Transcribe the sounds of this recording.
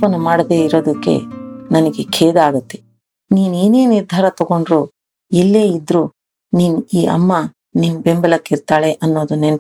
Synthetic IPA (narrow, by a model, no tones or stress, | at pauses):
pɐnɐmaːɽɐd̪e̞ːiɾo̞ːd̪ɐkːe̞̰nɐnɐɡekʰeːd̪aːɡɐt̪ːe̥ | niːnuiːneːniɾd̪ʱaːɾɐt̪ɔɡo̞ɳɖɾuː | ɛlːe̞ːid̪ɾuː | niːnuiːʔɐ̰mːɐ | nimbembɐlɐkːiɾt̪aːɭeʔɐnːo̞ːd̪unen